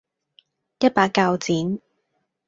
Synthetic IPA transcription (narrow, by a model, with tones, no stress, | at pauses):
jɐ˥t̚paː˧kːaː˧wt͡siː˨˥n